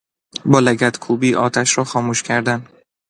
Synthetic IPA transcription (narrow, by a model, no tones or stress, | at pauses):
bɒːlæɡæt̪kʰuːbiːʔɒːt̪ʰæʃɾɒːxɒːmuːʃcʰæɾd̪æn